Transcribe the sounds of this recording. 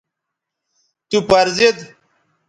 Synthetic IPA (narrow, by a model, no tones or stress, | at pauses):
t̪upɐɾzed̪